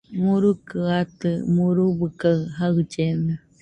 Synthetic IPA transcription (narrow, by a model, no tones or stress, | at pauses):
muɾukɨat̪ɨmuɾubɨkaɦad͡ʒene